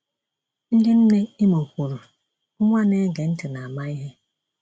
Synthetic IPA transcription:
n̩˦dɪ˦n̩˦ne˦i˦mo˨kʷu˨ɾu˨ | ʊ˦ŋʷa˦ne˦ɡe˨n̩˦tʊ˨na˨a˨ma˦i˦ɦe˦

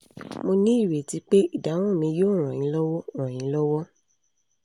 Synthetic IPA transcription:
mo˧nĩ˦i˦˨ɾe˨ti˨˦k͡pe˦i˦˨da˨˦w̃ɔ̃˦˨mĩ˧joː˦˨ɾ̃ã˨jĩ˨˦lɔ˦wɔ˦˨ɾ̃ã˨j̃ĩ˨˦lɔ˦wɔ˦

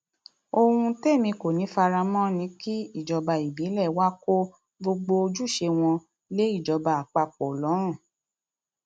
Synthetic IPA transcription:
o˧hũ˧te˦˨mĩ˧ko˨nĩ˨˦fa˧ɾa˧mɔ̃˦nĩ˨˧˦ki˦i˦˨d͡ʒɔ˧ba˨i˨bi˨˦lɛ˦˨wa˦ko˦ | ɡ͡bo˧ɡ͡bo˧o˧d͡ʒu˦˨ʃe˧w̃ɔ̃˧ | le˨˦i˦˨d͡ʒɔ˧ba˧˨a˨k͡pa˧k͡pɔ˨lɔ˨˦ɾ̃ũ˦˨

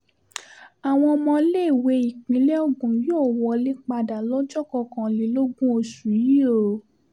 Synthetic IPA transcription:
a˨w̃ɔ̃˧ɔ˧mɔ̃˧˦le˦i˨we˨˧i˨k͡pĩ˨˦lɛ˦o˦ɡũ˨˦joː˦˨wɔ˧˦le˦k͡pa˧da˨lɔ˦d͡ʒɔ˦kɔ˧˨kã˨li˨˦lo˦ɡũ˦o˧ʃu˨ji˦o˦˨

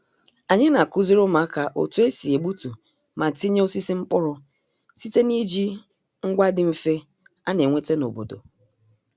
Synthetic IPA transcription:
a˨ɲɪ˦na˨ku˦zi˦ɾʊ˦ma˨˦ka˨ʔo̰˨tu˦e˦si˨e˨ɡ͡bu˦tu˨ | ma˨ti˦ɲ˦o˦si˦si˦ŋ͡m̩˦k͡pʊ˦ɾʊ˨ | si˦te˦ni˦d͡ʒi˦ | ŋ̩˦ɡʷa˦dɪ˦m̩˦fe˦ | a˦ne˨ŋʷe˦te˦no̰˨bo̰˨do̰˨

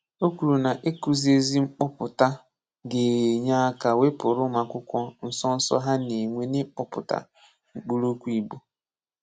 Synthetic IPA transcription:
o˦ku˨ɾu˨na˨ʔe˦ku˨zi˦e˦zi˦ŋ͡m̩˦k͡pɔ˦pʊ˨ta˦ | ɡe˨ɲa˦ka˨we˦pʊ˨ɾʊ˦ma˨kʷʊ˦kʷɔ˦n̩˦sɔ˦n̩˦sɔ̰˦ɦa˦ne˨ŋʷe˦nɪ˦k͡pɔ˦pʊ̰˨ta̰˨ | ŋ͡m̩˨k͡pu˦ɾu˦kʷu˦i˨bu˦

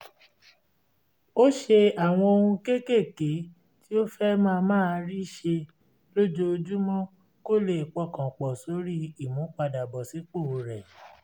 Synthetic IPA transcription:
o˦ʃe˧a˦˨w̃ɔ̃˧o˧hũ˧ke˦ke˦˨ke˨˦ | ti˦o˦fɛ˦mãː˦˧mãː˦˧ɾi˦ʃe˧ | lo˦d͡ʒo˧d͡ʒu˦mɔ̃˦ | ko˦le˧˨i˨k͡pɔ˨˧kã˨k͡pɔ˨so˨˦ɾi˦i˦˨mũ˨˦k͡pa˧da˨bɔ˨si˨˦k͡po˦˨˧ɾɛ˨

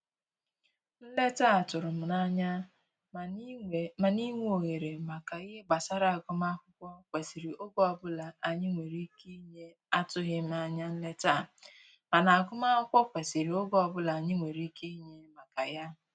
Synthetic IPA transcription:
n̩˦le˦ta˦˨tʊ˨ɾʊ˨m̩˨na˦ɲa˦˨ | ma˨ni˦ŋʷe˦o˨ɣe˨ɾe˨ma˨ka˨i˦ɦe˦ɡ͡ba˨sa˦ɾa˨a˨ɡʊ˦ma˦kʷʊ˦kʷɔ˦kʷe˨si˨ɾi˨ʔo˦ɡɔ˨bʊ˦la˨ʔa˨ɲɪ˦ŋʷe˨ɾi˦ke˦ɲe˦ | a˦tʊ˦ɦɪ˦m̩˦a˦ɲa˦n̩˦le˦ta˦˨ | ma˨na˨a˨ɡʊ˦ma˦hʊ˦kʷɔ˦kʷe˨si˨ɾi˨o˦ɡɔ˨bʊ˦la˨a˨ɲɪ˦ŋʷe˨ɾi˦ke˦ɲe˦ma˨ka˨ja˦

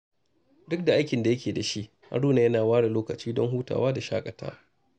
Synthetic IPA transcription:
dʊ˦k̚da˨ʔa˦jkʲɪ˨nda˨jɐ˦kʲeː˨da˨ʃi˦ʔ | ha̰˦ɽuː˦na˨jɐ˦naː˨waː˦ɽa˨loː˦kɐ˨t͡ʃiː˦dɔ˦ŋɦuː˦ta̰ː˨waː˦da˨ʃaː˦kʼɐ˨ta̰ː˦

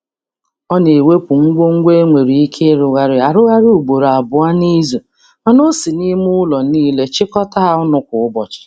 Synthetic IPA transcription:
ɔ˦ne˨we˦pʊ˨ŋ̩˦ɡʷo˦ŋ̩˦ɡʷe˦ŋʷe˨ɾi˨i˦kʰe˦ɾʊ˨ɣa˦ɾɪ˨˦a˨ɾʊ˦ɣa˦ɾɪ˦u˨ɡ͡bo˨ɾa˨bʊ˨a˦ni˦zo˨ | a˨no˦si˨ni˦mʊ˦lɔ˨niː˦le˦t͡ʃɪ˦kɔ˦ta˦ɦa˦ʊ˦nʊ˦kʊ˨ʊ˦bɔ˨t͡ʃɪ̥˨

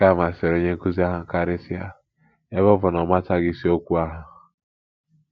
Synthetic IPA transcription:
ka˦˨m˨a˨se˨ɾo˦ɲe˦ku˦zi˦a˦ɦʊ˨ŋ˨ka˦ɾɪ˦sɪ˦a̰˦ | e˦bɔ˦vʊ˨nɔ˨ma˦ta˦ɡi˦si˦o˦kʷu˦a˦ɦʊ˨

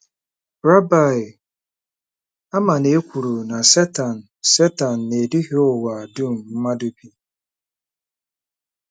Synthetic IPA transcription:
ɾa˦ba˨ | a˦ma˨ne˨e˦kʷu˨ɾu˨na˨sɛ˦ta˨n̩˨se˦ta˨n̩˨ne˨di˦ɦo˦wa˨du˦˨m̩˨m̩˦ma˦du˦pi˦

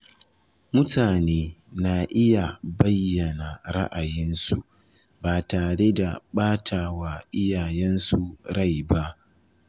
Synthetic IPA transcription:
mʊ˦tʰaː˨neː˦na˨ʔɪ˦ja˨bɐ˦jːɐ˨na˨ɾa̰˦ʔa˨jɪ˦nsu˨ʔ | baː˨taː˨ɽe˦da˨ɓaː˦tʰaː˨waː˨ʔɪ˦jaː˨jɛ˦nsu˨ɽa˦˨jba˦ʔ

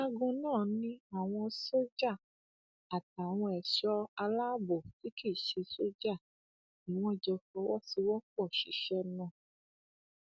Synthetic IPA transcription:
a˧ɡõ˧nãː˦˨nĩ˧˦a˨w̃ɔ̃˧so˦d͡ʒa˦˨ | a˨ta˨w̃ɔ̃˧ɛ˨ʃɔ˦a˧la˦bo˨ti˨˦ki˦˨ʃe˧so˦d͡ʒa˦˨ | ĩ˨w̃ɔ̃˧d͡ʒɛ˧kɔ˧˦wɔ˦si˧wɔ̃˦kɔ˦˨ʃi˨˦ʃɛ˧˦nã˦˨

